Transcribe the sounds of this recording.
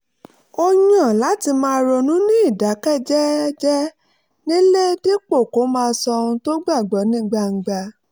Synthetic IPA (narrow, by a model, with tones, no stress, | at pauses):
o˧ɲã˨la˨˦ti˧mãː˧ɾɔ˧nũ˨˦nĩ˦i˦˨da˨˦kɛ˦˨d͡ʒɛ˦d͡ʒɛ˦ | nĩ˦le˦di˦k͡po˦˨ko˨˦mãː˧sɔ˧ũ˧to˦ɡ͡ba˦˨ɡ͡bɔ˨˦nĩ˦ɡ͡ba˧ŋ̩˨ɡ͡ba˧